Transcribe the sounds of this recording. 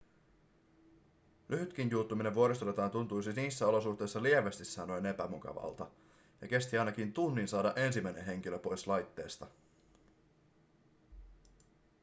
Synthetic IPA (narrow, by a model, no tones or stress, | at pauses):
lʔyɦyt̪k̟injuːt̪ːumine̞ʋʋuo̞ɾist̪olet̪ɑːnt̪unt̪ujsiniːsːæo̞lo̞suht̪e̞jsːɑlieʋest̪isːɑnojne̞pæmukɑ̰ʋɑ̰lt̪ɑ | jɑk̟e̞st̪iɑjnɑkint̪unːinsɑːdɑʔe̞nsimæjnenɦe̞ŋk̟iløpo̞jslɑjt̪ːe̞ːst̪ɑ